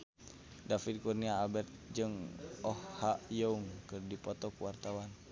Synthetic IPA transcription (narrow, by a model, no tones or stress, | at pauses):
dafid̚kurniaːbɛrt̪̚d͡ʒɨŋɔhhajɔuŋkɨrdipɔt̪ɔkuwart̪awan